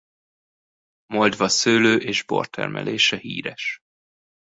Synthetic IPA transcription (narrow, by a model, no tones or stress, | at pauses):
mold̪vɒsøːløːʔeːʒbo̞̰rt̪ʰɛ̰rmʔɛ̰leːʃɛhḭːɾɛʃ